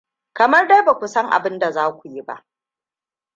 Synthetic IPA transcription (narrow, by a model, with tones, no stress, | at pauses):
kɐ˨mɐ˦rda˦ba˨kʷu˨sɐ˦ŋʔa̰˨bɪ˦nda˨zaː˦kʷu˨ji˦ba̰˦ʔ